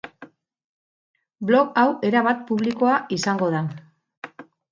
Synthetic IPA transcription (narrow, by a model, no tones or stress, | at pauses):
blo̞kawe̞ɾaβat̪̚puβliko̞aisaŋɡo̞ð̞a